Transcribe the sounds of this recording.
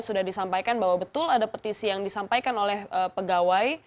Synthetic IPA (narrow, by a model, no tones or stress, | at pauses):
sudahdisampajkanbaɦwabət̪ʊladapot̪isijaŋdisampajkanolɛhəpəɡawaj